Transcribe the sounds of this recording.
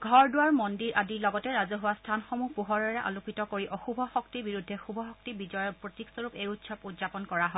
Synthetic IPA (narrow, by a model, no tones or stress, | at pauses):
ɡʱɔɹdʊwaɹmɔndiɹʔadiɹlɔɡɔtɛɹazɔɦuwastʰanxɔmupuɦɔɹaɹɛʔa̰lukitɔkoɹiʔɔxubʱɔxɔktiɹbiɹudʱːɛxubʱɔxɔk̚tibid͡ʒɔjɔpɹɔtiksɔɹupejutsɔputzapɔnkɔɹaɦɔ